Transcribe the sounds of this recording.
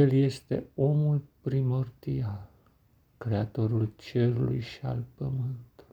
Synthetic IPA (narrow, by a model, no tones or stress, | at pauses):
elje̞st̪e̞̰o̞mulpɾimo̞rd̪ial | kɾe̞at̪o̞ɾult͡ʃe̞ɾulṵjʃia̰lpəmɨnt̪u̥lj